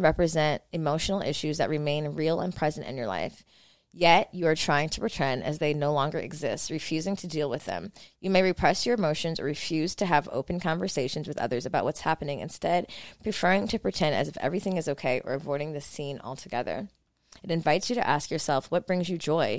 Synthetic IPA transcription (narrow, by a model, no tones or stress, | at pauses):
ɹɛpɹɨzɛ̃nt̚ɨmoʊʃn̩l̩ˠɪ̰ʃʉzðɨ̰ʔ̚ɹɨmẽɪ̃nɹilˠə̰̃npʰɹ̥ɛzɨ̃ntɨ̰̃njə˞la̰ɪf | jɛt͡ʃɨə˞tʰɹ̥aɪɪ̃ŋtʰə̥pɹ̥ɨtʰɛ̃nɨ̰zðeɪnoʊlɔ̃ŋɡə̰˞ʔɨ̰ɡzɪst̚ɹɨfjʉzɪ̃ŋtʰɨdilˠwɨðɨ̰̃mjɨmeɪɹɨpʰɹ̥ɛsjə˞ɨmoʊʃɨ̃nzə̰˞ɹɨfjʉz̥tʰɨːvo̰ʊpn̩kʰɑ̃ɱvə˞seɪʃn̩zwɨðʌ̰ðə˞zɨbaʊʔ̚wʌtshæpɨnɪ̃ŋɨ̰̃nstɛd̚pʰɹ̥ɨfɜ˞ɪ̃ŋtʰɨpʰɹ̥ɨtʰɛ̃nɨ̰zɨfɛ̰vɹiθɪ̃ŋɨzoʊkʰeɪʔə̰˞ɨvɔɪɾɪ̃ŋðɨsĩnɔ̰lˠtʰɨɡɛðə̰˞ | ɨɾɨ̃ɱvaɪtsjɨɾɨ̰ʔæskjə˞sɛlˠfwʌt̚b̥ɹɪ̃ŋzjɨd͡ʒɔɪ